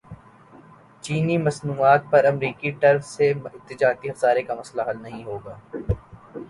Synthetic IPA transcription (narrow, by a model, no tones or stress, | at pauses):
t͡ʃiːnimɐsnuːaːt̪̚pɐɾɐmɾiːkiʈɐɾfsemɪt̪ɪd͡ʒaːɾt̪iɐfzaːɾekamɐslaɦɐlnɐɦĩɦoːɡaː